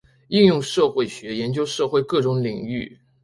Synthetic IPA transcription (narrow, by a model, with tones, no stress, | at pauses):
i˥˧njʊ˥˧ŋʂɤ˥˧xwe˥˩ɪɕɥɛ˧˥jɛ˧˥nt͡ɕjo˥ʊʂɤ˥˧xwe˥˧ɪkɤ˥˩ʈ͡ʂʊ˧˥ŋli˨˩ŋy˥˩